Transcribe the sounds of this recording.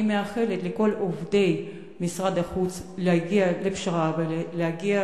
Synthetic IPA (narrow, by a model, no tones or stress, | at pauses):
meaχe̞le̞t̪leko̞lovde̞j | misʁad̪aχut͡sleaɡialepʃaʁaveleaɡia